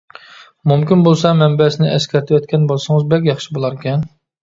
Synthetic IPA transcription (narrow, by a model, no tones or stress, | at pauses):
mumkʲinbolˠsɑmɛmbɛsɪnɪʔɛskʲɛɾt̪ʰɪwɛt̪̚kʲɛnbolˠsɨŋɨzbɛkʲjɑχʃibolˠɑɾkʲɛn